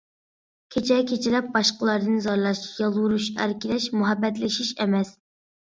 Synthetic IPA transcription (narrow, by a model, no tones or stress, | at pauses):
kʲʰet͡ʃʰɛkʲʰet͡ʃʰilɛp̚bɑʃqəlˠɑɾd̪ɨnzɑɾlˠɑʃjɑlˠwuɾuʃæ̰ɾkʲilɛʃmuɦɛbːɛt̪lɪʃiʃɛmɛs